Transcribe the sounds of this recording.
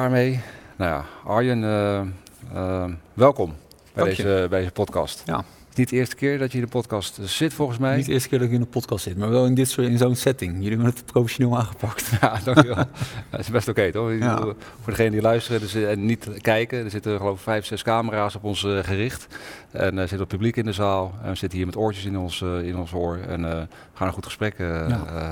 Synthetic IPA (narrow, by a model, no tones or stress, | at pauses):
aːɹmejnaja̰ʔɑɹjən | əʋɛlˠkɔm | b̥ɛjdezəbɛdezəpɔtkɑ̰st | tɪsnit̚dəɪːɹstə̥kɪːɹdɔtjəiɪnənpɔtkɑstsɪtfɔlˠχənsmɛjitdɪːɹstə̥kɪːɹdɔtjiɪndəpɔtkɑstsɪtmaːɹʋɛlˠɪndɪtsɪnzownsɛtɪŋjəliɛbənətprofeʃonɪːlˠaːχəpɑktjadɑŋʋɛlˠɪsbɛstokejtɔχɡu | fʊːɹdəχejnədilœɥstərədəɛnːitkɛjkədəɹzɪtəχəlowvɪkfɛjfsɛskaːməraːsɔpɔnsχərɪχtɛ̰nzɪtəʋɔtpyblikɪndəzaːlˠɛ̰nʋəz̥ɪtəɦiːɹmɛtɔɹtjəsɪnɔnsɪnɔnsʊːɹɛ̰n | əχaːnənχutχə̥sprɛk